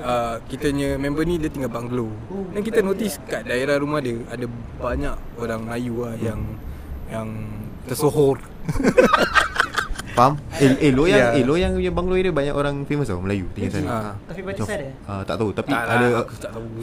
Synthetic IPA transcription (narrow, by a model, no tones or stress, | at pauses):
akit̪əɲəmɛ̃mbənidiət̪iŋɡalbaŋɡlodankit̪ənot̪iskaʔdaeɾaɾumahdəada | baɲakoɾaŋməlajuajaŋ | jaŋ | t̪ərsoɦɔr | fameəlojaelojaŋɲəbaŋɡloidəbaɲakoɾaŋfeməsaməlajut̪iŋɡasajt̪aiad | at̪a̰ʔt̪aut̪apiadat̪aʔt̪au